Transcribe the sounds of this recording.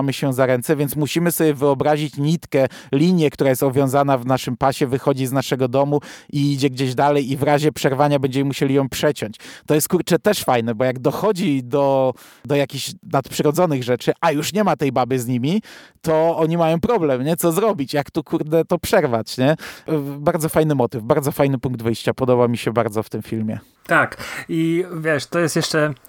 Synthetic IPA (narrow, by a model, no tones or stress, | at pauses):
mɘɕɛzaɾɛnt̪sɛvʲjɛnt̪smuɕimɘsɔbʲjɛvɘɔbɾaʑit͡ɕɲit̪kɛlʲiɲjɛkt̪uɾajɛst̪ɔvjɔ̃w̃zanavnaʂɘmpaɕɛvɘxɔd͡ʑiznaʂɛɡɔd̪ɔmuiid͡ʑɛɡd͡ʑeʑd̪alɛjivɾaʑɛpʂɛɾvaɲabɛɲd͡ʑɛmimuɕelʲijɔ̃w̃pʂɛt͡ɕɔɲt͡ɕt̪ɔjɛst̪kuɾt͡ʂɛt̪ɛʂfajnɛbɔjaɡd̪ɔxɔd͡ʑid̪ɔ | d̪ɔjakʲiɕnat̪pʂɘɾɔd̪zɔnɘɣʐɛt͡ʂɘʔajuʂɲɛmat̪ɛjbabɘzɲimʲit̪ɔɔɲimajɔ̃w̃pɾɔblɛmɲɛt̪sɔzɾɔbʲit͡ɕjakt̪ukʰuɾd̪ɛt̪ɔpʂɛɾvat͡ɕɲɛ | baɾd̪zɔfajnɘmɔt̪ɘvbaɾd̪zɔfajnɘpuŋɡd̪vɘjɕt͡ɕapɔd̪ɔbamʲiɕɛbaɾd̪zɔft̪ɘmfʲilmʲjɛ̰ | t̪akivʲjɛʂt̪ɔjɛst̪jɛʂt͡ʂɛ